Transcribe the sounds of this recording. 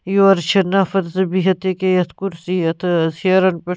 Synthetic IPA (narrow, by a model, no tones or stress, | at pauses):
joɐɾt͡ʃʰɐnafɐt̪zɐbiɦɐt̪ekejɐt̪ʰkuɾsiɐt̪ʰsɐɾɐnpe